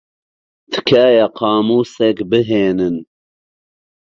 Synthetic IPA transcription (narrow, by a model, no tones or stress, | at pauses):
t̪ʰɨ̥kʰaːjaqʰɑːmuːsɛkbɨɦeːnɨn